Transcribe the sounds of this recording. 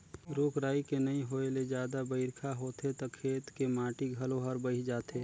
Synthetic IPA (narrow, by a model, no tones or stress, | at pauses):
ɾoːkɾaːikenɐĩɦoːeled͡ʒjaːd̪abəɪɾkʰaɦoːt̪et̪okʰeːt̪kemaːʈiɡʱɐlõɦəɾbəid͡ʒaːt̪eː